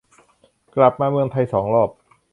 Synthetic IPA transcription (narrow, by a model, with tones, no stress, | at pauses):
kla˨˩p̚maː˧mɯ˧əŋt̪ʰa˧jsɔː˩˦ŋlɔː˥˩p̚